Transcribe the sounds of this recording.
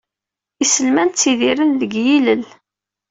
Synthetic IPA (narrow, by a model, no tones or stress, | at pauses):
isəlmænt̪t͡sːiðiɾənðəɡjiləl